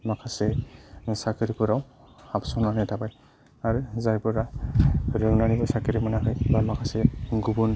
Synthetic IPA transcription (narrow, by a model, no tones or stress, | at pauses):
makʰasɛsakɯɾipuɾaw | apsɔnanɛtʰabaj | aɾuzajpɯɾa | ɾɯŋnanibɔsakɯɾimɔnaɦɯjbamakʰasɛɡubun